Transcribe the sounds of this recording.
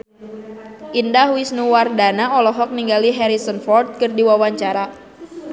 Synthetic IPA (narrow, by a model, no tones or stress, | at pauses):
ʔindahwisnuwardanaɔlɔɦɔk̚niŋɡaliɦɛɾisɔnfɔrt̪̚kɨrdiwawaɲt͡ʃaɾa